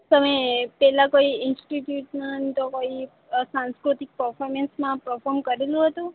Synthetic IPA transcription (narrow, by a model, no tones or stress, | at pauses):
t̪əmepɛlãkoiɪnsʈiʈjuʈnant̪okoi | sãnskɾut̪ik̚pəɾfʰɔɾmensmãpɾəfʰɔɾmkəɾelũɦət̪ũ